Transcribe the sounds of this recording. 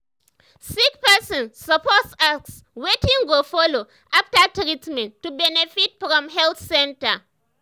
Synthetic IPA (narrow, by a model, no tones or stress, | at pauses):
sikpɛsɔ̃nːəpɔtsaks | wetĩŋɡofɔlo | ʔaptatɹitmɛ̃ntːubɛnɛfitfɹɔ̃mɦɛlθsɛ̃nta̰